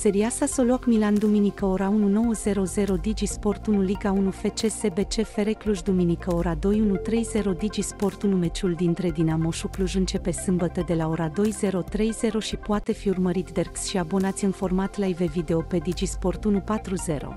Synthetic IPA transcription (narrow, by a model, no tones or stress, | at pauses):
se̞ɾiasaso̞luakmiland̪uminikəo̞ɾaununo̞wəze̞ɾo̞ze̞ɾo̞d̪id͡ʒispo̞rt̪unuliɡaunufe̞t͡ʃe̞se̞be̞t͡ʃe̞fe̞ɾekluʒd̪uminikəo̞ɾad̪o̞junut̪ɾe̞jze̞ɾo̞d̪id͡ʒispo̞rt̪unume̞t͡ʃuld̪int̪ɾe̞d̪inamo̞ʃukluʒɨnt͡ʃe̞pe̞sɨmbət̪əd̪e̞lao̞ɾad̪o̞jze̞ɾo̞t̪ɾe̞jze̞ɾo̞ʃipoat̪e̞fiurməɾit̪d̪erksʃiabo̞nat̪sʲɨnfo̞rmat̪laive̞vid̪e̞o̞pe̞d̪id͡ʒispo̞rt̪unupat̪ɾuze̞ɾo̞̰